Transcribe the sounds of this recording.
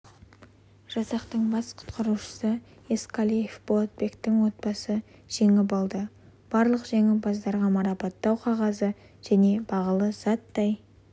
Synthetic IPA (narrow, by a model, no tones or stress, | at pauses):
ʒ̥ɑsɑqt̪əɴbɑsqʰʊ̥t̪qəɾuʃə̥sə | eskalʲijefbolˠot̪̚be̞kt̪ɪŋwo̞t̪̚bɑsə | ʒ̥e̞ŋɪp̬olˠd̪ə | b̥ɑɾlˠəqʒe̞ŋɪbɑzd̪ɑɾʁɑmɑɾɑpɑt̪ːɑwqʰɑʁɑzə | ʒ̥æne̞bɑʁəlˠəz̥ɑt̪ːɑj